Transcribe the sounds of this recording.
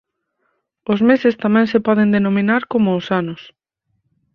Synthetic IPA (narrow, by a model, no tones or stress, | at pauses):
ʊzmesɪst̪amɛ̃ŋsepɔð̞end̪enominaɾkomʊːsanʊs